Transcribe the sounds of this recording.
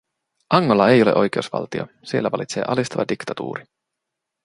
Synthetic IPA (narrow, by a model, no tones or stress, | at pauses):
ɑŋːolːɑejo̞lḛʔo̞jk̟e̞usʋɑ̰lt̪io | sielːæʋɑlit̪seːʔɑlist̪ɑʋɑdikt̪ɑt̪ṵːɾi